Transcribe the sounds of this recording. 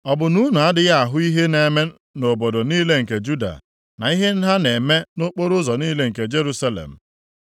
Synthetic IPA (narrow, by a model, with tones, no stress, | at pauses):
ɔ˨bʊ˨nu˦nu˨a˦dɪ˦ɣa˦a˨ɦʊ˦i˦ɦe˦ne˨me˦ | no˨bo˨do˨niː˦le˦ŋ̩˨ke˨d͡ʒu˦da̰˨ | na̰˨i˦ɦe˦n̩˦ɦa˦ne˨me˦no˦k͡po˦ɾʊ˦zɔ˨ni˦le˦ŋ̩˨ke˨d͡ʒe˦ɾu˦sa˦lḛ˨m̩˨